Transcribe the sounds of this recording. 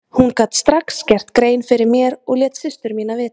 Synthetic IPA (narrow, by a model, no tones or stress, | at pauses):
hunkat̪st̪ɾakscɛr̥t̪kɾeːjnfɪɾɪɾmjɛɾɔɣljɛːt̪sɪst̪ʏɾmiːnavɪːt̪